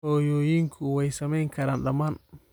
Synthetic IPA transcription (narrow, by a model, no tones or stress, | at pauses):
ɔːjɔːjiŋkʰuwɛjsɐmɛjŋkʰɐɾaːnɗɐmaːn